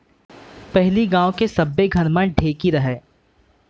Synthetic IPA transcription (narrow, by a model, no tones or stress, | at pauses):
pɛɦliɡãːõkesɐbːeɡʱɐnmə̃ɖʱeːkiɾɐɦɛː